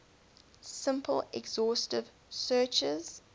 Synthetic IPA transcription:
sɪ̃mpʰəlɛɡzɔˑstɪv̥ | sɜˑt͡ʃɪz̥

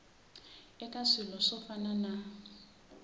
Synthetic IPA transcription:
ɛkʼasɪlɔsɔfanana

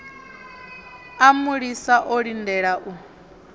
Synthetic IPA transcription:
amuɺisaʔɔɺindɛɺaʔu

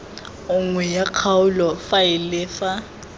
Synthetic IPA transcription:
ʊŋwɛjaq͡χʰaʊlɔfaɪlɪfa

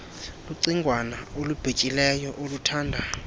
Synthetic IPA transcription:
luǀiŋɡʱwanaolub̥ʱet͡ʃʼilɛjɔʔolutʰaːndʱa

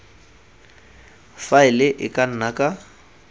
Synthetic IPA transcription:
faɪlɪʔɪkʼan̩nakʼa

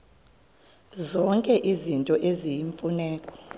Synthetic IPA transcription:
zɔŋkʼɛʔizintʼɔʔezijiɱfunɛːkʼɔ̥

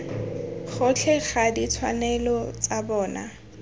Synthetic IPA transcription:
χʊt͡ɬʰɛχadit͡sʰwa̰nɛlɔt͡sabɔːna̰

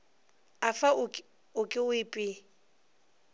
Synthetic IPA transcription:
afaʊ | ʊkʼɪʊɪpʼɪ

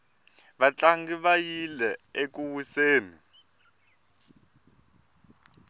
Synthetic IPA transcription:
βat͡ɬaŋɡiβajilɛekuwuseːnḭ

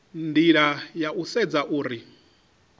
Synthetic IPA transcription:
ndiɺajaʔusɛd͡zaʔuːɾi

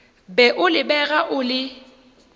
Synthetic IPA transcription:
bɛʔʊlɪbɛɣaʔʊlɪ

